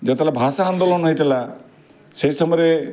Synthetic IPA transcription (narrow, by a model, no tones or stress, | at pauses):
d͡ʒɔt̪elabʱasaːnd̪olɔnɦɔjt̪ila | seisɔmɔjɾe